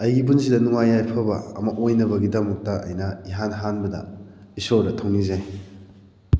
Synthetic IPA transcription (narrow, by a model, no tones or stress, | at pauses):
ɐjɡibunsidɐnuŋajːajpʰɐbɐ̰ɐ̰mɐʔojnɐbɐɡidɐmɐk̚tɐʔɐ̰jnɐiɦanɦanbɐdɐ̰ | isoɾdɐtʰoŋnize